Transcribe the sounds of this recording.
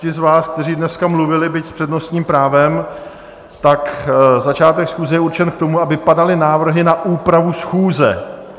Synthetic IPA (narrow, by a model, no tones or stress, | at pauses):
ɪzvaːsk̚t̪ɛriːdnɛskamluvɪlɪbɪcspr̥ɛdno̞st̪ɲiːmpɾaːvɛm | t̪akzat͡ʃaːt̪ɛksxuːzɛjɛuɾt͡ʃɛnkt̪o̞muabɪpadalɪnaːvr̩ɦɪnaʔuːpɾavusxuːzɛ̰